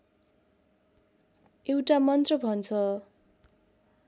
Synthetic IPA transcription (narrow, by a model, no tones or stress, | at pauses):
ewʈamʌnt̪rʌbʱʌnt͡sʰʌ